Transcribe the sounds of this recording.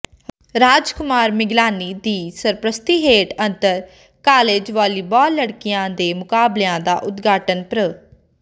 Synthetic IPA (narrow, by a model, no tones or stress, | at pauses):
ɾaːd͡ʒkʊmaːɾmɪɡlaːniːd̪iːsəɾpɾəst̪iːɦeːʈənt̪əɾ | kaːleːd͡ʒʋaːliːbaːləɽkɪjãːd̪eːmʊkaːbleãːd̪aːʔʊt̪ɡaːʈənpɾə